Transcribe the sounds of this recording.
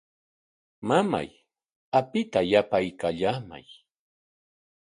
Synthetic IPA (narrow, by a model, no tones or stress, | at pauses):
mama̰j | apɪt̪ajapajkaʎaːma̰j